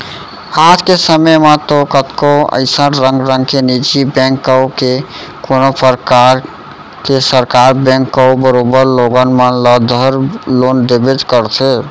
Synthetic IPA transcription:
ad͡ʒkesəməmãt̪okət̪koə̰ɪsəɾə̃ŋɡɾə̃ŋɡ̚kenid͡ʒibɛ̃ŋkːəke | konopəɾkaɾ | kesəɾkaɾbɛ̃ŋkːəwbəɾobəɾloɡənmənləd̪ʱəɾlonɖ̪ebed͡ʒkəɾt̪ʰe

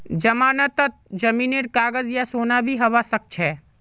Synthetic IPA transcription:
d͡ʒɐmaːnət̪ːət̪̚d͡ʒɐmiːneɾkaːɡəzjasoːnabʱiɦɐʋasɐk̚t͡ʃʰɛː

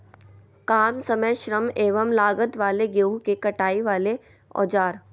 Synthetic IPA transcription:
kaːmsɐməjʃɾəmeːʋəmlaːɡət̪ʋaːleɡjoːɦukekɐʈaːiʋaːle | ɔ̰ːd͡ʒaːɾ

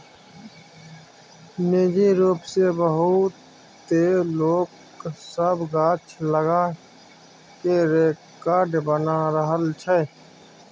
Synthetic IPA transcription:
meːd͡ʒiɾuːpsebəɦut̪ː | eloːk | səbɡaːt͡ʃʰləɡa | keɾeːkaːɾɖbənaɾəɦəlt͡ʃʰə

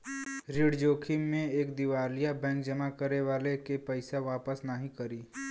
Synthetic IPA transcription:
ɾiɽd͡ʒoːkʰimẽeːkd̪ɪʋaːlijabɛ̃ːŋkd͡ʒəmakəɾeʋaːlekepəɪsaʋaːpəsnaɦĩkəɾiː

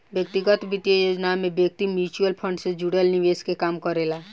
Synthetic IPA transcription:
bjək̚t̪iɡət̪ʋit̪jəjod͡ʒnamẽbjək̚t̪imjut͡ʃuəlpʰə̃ɳɖsed͡ʒuɽelniʋeskekaːmkəɾela

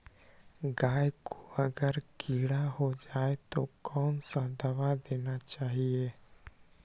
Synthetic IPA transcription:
ɡaːjkʰo̥ɐɡəɾkiːɽaɦod͡ʒaːet̪okɔːnsãd̪ɐʋad̪eːnat͡ʃaːɦieː

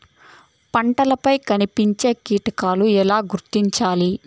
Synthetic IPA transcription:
pɐɳʈɐlɐpɐjkɐnipiɲt͡ʃe̞ːkiːʈɐkaːluɛlaːɡuɾt̪iɲt͡ʃaːli

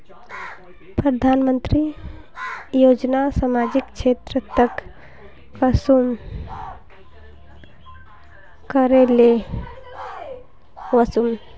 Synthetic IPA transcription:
pɾəd̪ʱanmənt̪ɾi | jod͡ʒnasamad͡ʒikt͡ʃʰet̪ɾət̪ək | əsum | kəɾele | ʋəsum

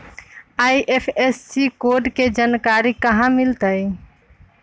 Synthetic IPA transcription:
ajʔepʰesːikoɖked͡ʒankaɾikəɦãmilt̪əj

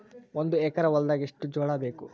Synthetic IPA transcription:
ond̪uɛkɐɾɐʋɔlɐd̪aːɡeʂʈːud͡ʒɔːɽɐbeːku

